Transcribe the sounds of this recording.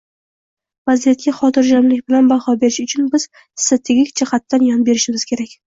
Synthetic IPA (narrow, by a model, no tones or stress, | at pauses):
vazijat̪̚ɡʲaχɒt̪ʰɪɾd͡ʒamlɪkʲbɪlanbahɒbe̞ɾɪʃʊt͡ʃʰʊnbɪz̥ | st̪ʰat̪ʰeɡʲikʲd͡ʒɪχat̪ːanjɒnbe̞ɾɪʃɪmʲɪz̥kʲʰe̞ɾakʲ